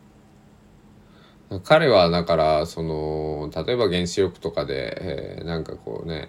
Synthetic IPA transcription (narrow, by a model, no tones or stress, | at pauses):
d̪akʰaɾe̞β̞ad̪akaɾaso̞no̞t̪at̪o̞e̞baɡẽ̞ɰ̃ɕijo̞kɯ̟̥t̪o̞kad̪e̞̰nãŋkako̞̰ːne̞̰